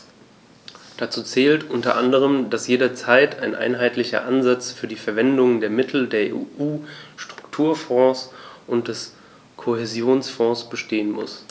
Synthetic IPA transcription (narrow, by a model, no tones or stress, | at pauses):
d̥at͡suːt͡sɛːltʔʊntɐʔandəʁ̞əmdasjeːɾɐt͡saɪtʰaɪnʔa̰ɪnɦaɪtlɪçɐ̰ʔanzat͡sfyːɐdiːfɛɐvɛndʊŋdeːɐmɪtʰl̩deːɐḛʔuːʃtʁ̥ʊ̥ktʰuːɐfɔ̃ːsʔʊnt̚d̥ɛs | kʰohezjoːnsfɔ̃ːsb̥əʃteːənmʊ̰s